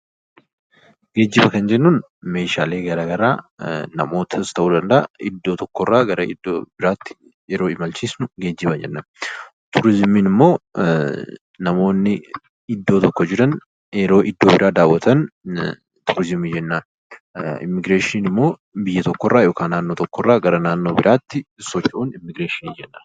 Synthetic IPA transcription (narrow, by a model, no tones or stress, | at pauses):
ɡ̥e̞ːd͡ʒːɪbɐkɐnd͡ʒɛnːuːn | me̞ːʃaːle̞ːɡɐɾaːɡɐɾa̰ːnɐmo̞ːt̪ʰɐst̪ɐʔuːd̪ɐnd̪ɐʔɐɪ̰d̪ːo̞ːt̪ɔkːɔrːaːɡɐɾɐɪd̪ːobɪɾaːt̪ːɪ̥ | jɛɾo̞ːɪmɐlt͡ʃiːsnʊɡe̞ːd͡ʒːɪbɐd͡ʒɛ̰nːɐm | t̪ʊɾɪzɪmiːnɪmːo̞ː | ɐmo̞ːnːɪ | ɪd̪ːo̞ːt̪ɔkːɔd͡ʒɪɾɐn | jɛɾo̞ːʔɪd̪ːo̞ːbɪɾʔaːd̪aːwːɐt̪ɐn | t̪ʊɾɪzɪmiːd͡ʒɛnːaː | ɪ̰mːɪɡɾeːʃɪniːnɪmːo̞ː | bɪjːɐt̪ɔkːɔrːaːjoːkaːnːaːnːo̞ːt̪ɔkːɔrːaːɡɐɾɐnaːnːo̞ːbɪɾʔaːt̪ːɪsɔt͡ʃʼːʔuːnɪmːɪɡɾeːʃɪniːd͡ʒɛnːaː